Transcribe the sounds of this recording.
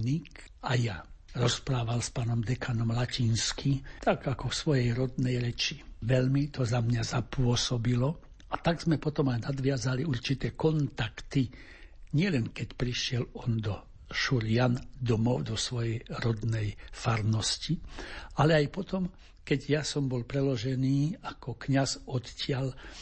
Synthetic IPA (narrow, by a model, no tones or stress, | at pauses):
nik | ajaɾɔspɾaːʋalspaːnɔmd̪ɛkʰanɔmlacinskʰit̪aɡakɔfsʋɔjɛjɾɔd̪nɛjɾɛt͡ʃiʋɛʎmit̪ɔzamɲazapʊɔsɔbilɔ | at̪aɡz̥mɛpɔt̪ɔmajnad̪ʋɪazaliuɾt͡ʃit̪ɛːkɔnt̪akt̪i | ɲɪɛlɛnkɛcpɾiʃɪɛlɔnd̪ɔ | ʃuɾɪand̪ɔmɔʊd̪ɔsʋɔjɛjɾɔd̪nɛjfaɾnɔscialɛajpɔt̪ɔm | kɛɟjasɔmbɔlpɾɛlɔʒɛniːakʰɔkɲazɔt̪cɪal